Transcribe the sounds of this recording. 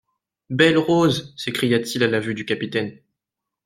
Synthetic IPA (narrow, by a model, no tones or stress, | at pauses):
bɛlʁozsekχijat̪ʰilalavyd̪ykʲapit̪ɛn